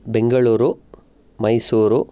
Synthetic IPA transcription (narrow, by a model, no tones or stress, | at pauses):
be̞ŋɡɐɭuːɾu | mɐjsuːɾu